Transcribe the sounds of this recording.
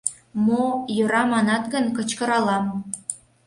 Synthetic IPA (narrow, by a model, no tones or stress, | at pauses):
mojøɾɑmɑnɑt̪ɣənkə̆t͡ɕkə̆ɾɑlɑm